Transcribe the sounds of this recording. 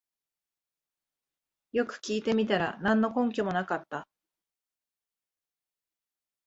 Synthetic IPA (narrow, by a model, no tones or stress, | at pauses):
jo̞kɯ̟̥kʲiːt̪e̞mʲit̪aɾa̰nãnːo̞kõ̞ŋkʲomo̞nakat̪ːa